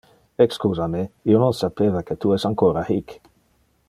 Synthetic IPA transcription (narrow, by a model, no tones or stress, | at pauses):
ekskuːzameiononsapeːvaket̪uɛsaŋkoːɾahik